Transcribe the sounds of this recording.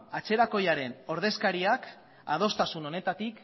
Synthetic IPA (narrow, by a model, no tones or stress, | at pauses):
at͡se̞ɾako̞jaɾe̞no̞ɾð̞e̞skaɾiak | a̰ð̞o̞st̪asuno̞ne̞t̪at̪ik